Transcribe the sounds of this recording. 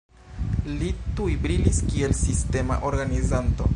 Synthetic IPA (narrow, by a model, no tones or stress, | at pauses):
litujbɾiliskie̞lsiste̞ma̰ʔo̞ɾɡanizanto̞̰